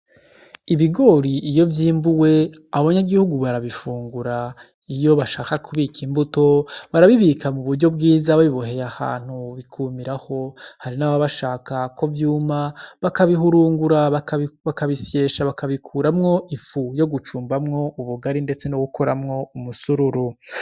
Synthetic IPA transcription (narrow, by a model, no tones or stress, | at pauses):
iβiɡo̞ɾiʔːjo̞vjiːmbuwe̞aβoβaɲaɡihuɡuβaɾaβifuːŋɡuɾa | ijo̞βaʃaːkakʰuβikʰimbuto̞βaɾaβiβikamuβuɾɟo̞b̚ɡiːzaβaβiβo̞he̞jaha̰ːn̥huβikʰuːmiɾaho̞haɾinaːβaβaʃaːkako̞vjuːmaβakaβiɦuɾuːŋɡuɾaβakaβakaβisje̞ːʃaβakaβikʰuːɾamŋo̞ʔifujo̞ɡut͡ʃuːmbamŋo̞uβuɡaɾinde̞t͡se̞noɡuko̞ɾamŋo̞umusuɾuɾu